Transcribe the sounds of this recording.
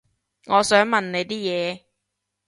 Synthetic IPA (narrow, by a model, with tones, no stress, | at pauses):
ŋɔː˨˧sœː˨˥ŋmɐ˨nne˨˧jt̪iː˥jɛː˨˧